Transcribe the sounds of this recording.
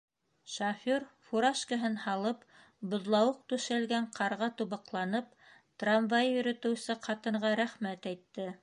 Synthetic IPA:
ʃafʲorfuɾaʃkəɦɤnhɑlˠɤp | bŏðlˠɑwɤq̚t̪ʉʃælɡæɴqʰɑɾʁɑt̪uβɑqlˠɑnɤp̚ | t̪ranvajjɵ̆ɾɵ̆t̪ɘ̆wsɘqʰɑt̪ɤ̆ɴʁɑɾæχmæt̪æjt̪ːɘ

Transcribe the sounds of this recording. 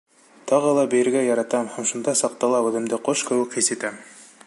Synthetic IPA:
t̪ɑʁɤlˠɑbɘ̆jɘ̆ɾɡæjɑɾɑt̪ɑmhæmʃund̪ɑsɑq̚t̪ɑlˠɑbɤ̆ðɘ̆md̪ɘqoʃkɘ̆wɘ̆khisɘ̆t̪æm

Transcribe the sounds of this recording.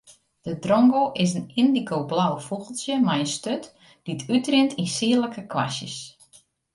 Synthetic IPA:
d̥ədrɔŋɡoʔɪs̬ənɪndikoblawfuɣəlˠsjəmajənstøt | d̥itʰytrɪntʰinsiələkəkʰʋa̰sjə̰s

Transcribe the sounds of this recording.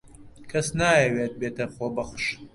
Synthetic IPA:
kʰɐsnaːjɛweːt̪̚beːt̪ɐxoːbɐxʷʃ

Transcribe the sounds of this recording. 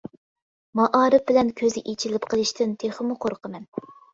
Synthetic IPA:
mɑʔɑːɾɨp̚bɪlɛnkʲʰøzɪʔit͡ʃʰilɪpqʰəlˠɨʃt̪ɪnt̪ʰeχəmuqʰoɾqəmɛn

